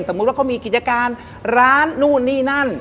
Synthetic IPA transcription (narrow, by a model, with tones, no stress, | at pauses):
nso˩˦mu˦˥t̪̚wa˥˩a˥˩miː˧ki˨˩t̪̚t͡ɕa˧kaː˧n | ɾaː˦˥nːuː˥˩nːiː˥˩na˥˩n